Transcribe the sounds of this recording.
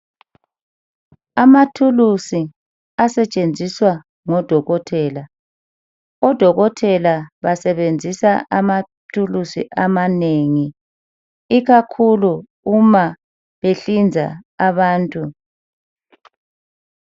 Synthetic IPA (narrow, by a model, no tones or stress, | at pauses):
amatʰulusi | asɛt͡ʃʼend͡zʱiswa | ŋɔd̥ʱɔɣɔtʰɛːla | ɔd̥ʱɔɣɔtʰɛlaβasɛβend͡zʱisaama | tʰulusḭʔamaneŋi | iɣakʰulu | uma | βeɬind͡zʱa̰aβaːntʼu